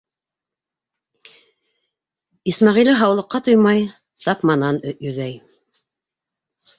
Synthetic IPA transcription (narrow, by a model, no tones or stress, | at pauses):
ismɑʁilɘɦɑwlˠɤ̆qːɑt̪ojmɑj | t̪ɑpmɑnɑnjɵ̆ðæj